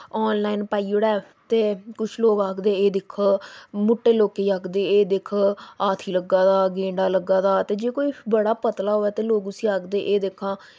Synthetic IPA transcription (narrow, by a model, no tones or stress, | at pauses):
ɔːnlaːinpaːiːoɽɛː | t̪eːkʊt͡ʃʰloːɡaːkʰd̪eːeːd̪ɪkʰmʊʈːeːloːkeːaːkʰd̪eːeːd̪ɪkʰaːt̪ʰiːləɡːaːd̪aːɡẽːɳɖaːləɡːaːd̪aːt̪eːd͡ʒeːkoːiːbəɽaːpət̪laːɦoːɛːt̪eːloːɡʊsiːaːkd̪eːʔeːd̪ekʰãː